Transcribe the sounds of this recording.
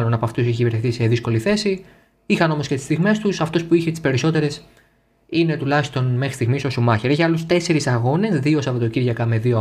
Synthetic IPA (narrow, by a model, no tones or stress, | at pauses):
lo̞nɐpoɐft̪useçicivieɾθeθise̞ðisko̞liθe̞si | ixɐno̞mo̞sce̞t̪ist̪iɣme̞st̪usɐft̪o̞spuiçet̪i̥spe̞ɾiso̞t̪e̞ɾe̞s | ine̞t̪ulɐçist̪o̞nme̞xɾi̥st̪iɣmiso̞sumɐçeɾeʝɐlust̪e̞se̞ɾisɐɣo̞ne̞zðio̞sɐpot̪o̞ciɾʝɐkɐme̞ðio